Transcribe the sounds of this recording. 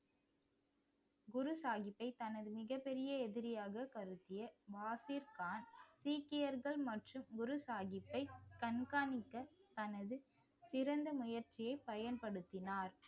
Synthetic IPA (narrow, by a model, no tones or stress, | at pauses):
ɡʊɾɯsaːɣɪpːɐɪt̪ɐnɐðɯmɪɣɐpːɛɾɪjɐɛðɪɾɪjaːɣɐkɐɾɯt̪ːɪjɐʋaːsɪɾkaːnsiːkːɪjɐɾɣɐɭmɐʈrɯmɡʊɾɯsaːɣɪpːɐɪkɐnkaːnɪkːɐt̪ɐnɐðɯ | sɪɾɐnd̪ɐmʊjɐɾt͡ʃɪjɐɪpːɐjɐnpɐɽɯt̪ːɪnaːɾ